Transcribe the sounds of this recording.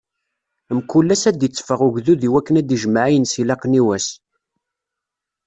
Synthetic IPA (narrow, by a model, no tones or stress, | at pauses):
mkulːæsæd̪jət͡sːfəʁʊʝðuðiwækːənæd̪iʒəmaʕajənsilɑqniwæs